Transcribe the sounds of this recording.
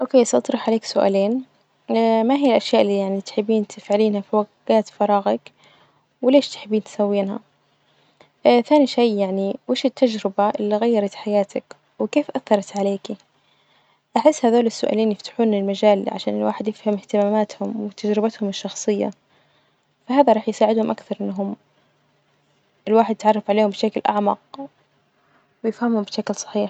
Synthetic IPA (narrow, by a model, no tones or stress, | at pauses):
ʔoːkeːsʔɑt̪ˤɾˤɑħʕaleːksʊʔa̰ːleːn | maɦijːalʔaʃjaːʔɪlːijaʕnit̪ħɪbːiːnt̪ʰɪfʕaliːnhafwaɡaːt̪fɑɾˤɑːɣɑk | wɪleːʃt̪ħɪbːiːnt̪ɪ̥sawːiːnha̰ | θaːniʃajjaʕniweːʃɪt̪ːad͡ʒɾɪbaʔɪlːiɣajːɑɾˤɑt̪ħajaːt̪ak | wɪkeːfʔaθːɑɾˤɑt̪ʕaleːki | ʔaħɪsːhaðoːlɪsːʊʔa̰ːliːnjɪft̪ḁħuːnɪlmad͡ʒaːl̰ʕa̰ʃaːnɪlwa̰ːħɪd̪jɪfhɪmɪht̪ɪmaːmaːt̪hʊmwɪt̪ad͡ʒɾɪbat̪hʊmɪʃːɑxsˤɨjːa̰ | faɦaːðaɾˤɑːħjɪsaːʕɪd̪hʊmʔakθɑɾˤʔɪnːaɦʊm | ʔɪlwaːħɪd̪jɪt̪ʕɑrˤːɑfʕaleːhʊmbɪʃaklʔaʕmɑ̰q̚ | wɪjɪfhamhʊmbɪʃaklsˤɑ̥ħiːħ